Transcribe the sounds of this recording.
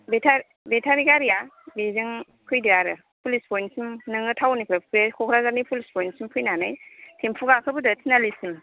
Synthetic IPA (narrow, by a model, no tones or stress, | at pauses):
betʰaɾ | betʰaɾiɡaɾijabezɯŋ | kʰɯjdiɾaɾɯ | pʰulispʰɔjnsimnɯŋɯtʰawnipʰɾapʰɾekʰɔkʰɾazanipʰulispʰɔjnsimpʰɯjnanɯjtʰempʰuɡakʰɯbɯdɯtʰinalisim